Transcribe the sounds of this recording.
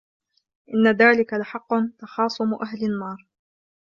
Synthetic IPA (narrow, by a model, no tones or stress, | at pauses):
ʔɪnːaðaːlɪkalɪħɑqːʊnt̪ɑxɑːsˤʊmʔaɦlɪnːɑːɾˤ